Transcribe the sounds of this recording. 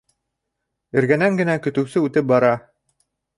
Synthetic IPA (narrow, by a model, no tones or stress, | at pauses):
ɘ̆ɾɡænæŋɡɘ̆nækɵ̆t̪ɘ̆wsɘʉt̪ɘp̚bɑɾɑ